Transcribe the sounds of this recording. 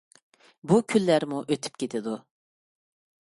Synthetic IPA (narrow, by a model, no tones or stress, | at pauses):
bukʲʰylːæɾmuʔøt̪ʰy̥p̚kʲʰet̪ʰɪd̪u